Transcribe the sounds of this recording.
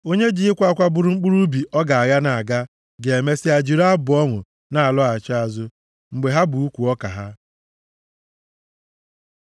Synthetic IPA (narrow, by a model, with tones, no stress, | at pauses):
o˦ɲe˦d͡ʒi˦ɪ˦kʷa˦kʷa˦bʊ˨ɾʊ˦ŋ͡m̩˦k͡pu˦ɾu˦bi˨ɔ˦ɡa˨a˨ɣa˦na˨a˨ɡa˦ | ɡe˨e˨me˦sɪ˦a˨d͡ʒi˨ɾa˦bʊ˨ɔ˦ŋʷʊ˨ | na˨a˨lɔ˦a˨t͡ʃa˦a˨zʊ˦ | ŋ͡m̩˨ɡ͡be˨ɦa˦bu˨u˦kʷu˨ɔ˦ka˨ɦa˦